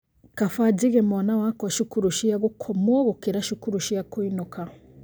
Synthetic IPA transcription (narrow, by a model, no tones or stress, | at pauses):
kafadiɣemanawakɔʃukuɾuʃijaɡukʰomoɣukiɾaʃukuɾuʃijakuinuka